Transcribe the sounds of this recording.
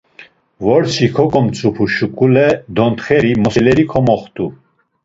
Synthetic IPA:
vɔɾsikʰɔkʼɔmt͡sʰʼupʰuʃukʼulɛd̪ɔnt̪χɛɾimɔsɛlɛɾikʰɔmɔχt̪ʼu

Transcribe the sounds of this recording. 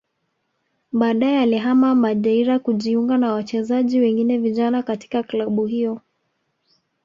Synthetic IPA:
ɓaːɗajɛaliɦamamaʄaiɾakuʄiuŋɡanawat͡ʃɛzaʄiwɛŋɡinɛviʄanakati̥kaklaɓuhiɔ

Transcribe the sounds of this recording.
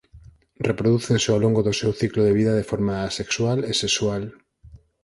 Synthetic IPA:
repɾoðuθensɪawloŋɡoðosewθikloðeβiðað̞efoɾmasekswalesekswal

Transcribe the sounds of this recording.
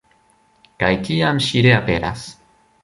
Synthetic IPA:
kajkijamɕiɾeapeɾa̰s

